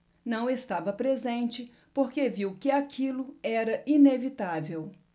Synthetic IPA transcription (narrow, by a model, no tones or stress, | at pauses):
nɐ̃w̃est̪avɐpɾezẽnt͡ʃɪ | poɾkeviwkɪakʰilʊɛɾɐinevit̪avew